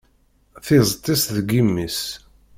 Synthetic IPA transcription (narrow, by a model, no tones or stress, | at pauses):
θɪzˤt̪ˤːisðɡimːis